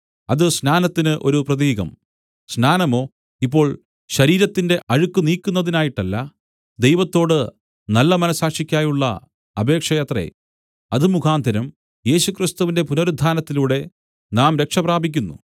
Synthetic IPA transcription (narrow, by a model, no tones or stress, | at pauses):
ɐðɨsnaːnɐt̪ːinɨʔo̞ɾuprɐðiːɣɐ̰m | snaːnɐmo̞ː | ipːo̞ːɭ | ɕɐɾiːɾɐt̪ːinde̞ʔɐɻukːuniːkʲːunːɐðinaːjiʈːɐlːɐ | d̪e̞jʋɐt̪ːo̞ːɽɨ | nɐlːɐmɐnɐsaːkʂikʲːaːjuɭːɐ̰ | ɐbe̞ːkʂɐjɐt̪rḛ | ɐðɨmukʰaːnd̪ʱɐɾɐm | je̞ːɕukrist̪uʋinde̞punoɾud̪ʱaːnɐt̪ːiluːɽe̞ | naːmɾe̞kʂɐpraːbʱikʲːunːṵ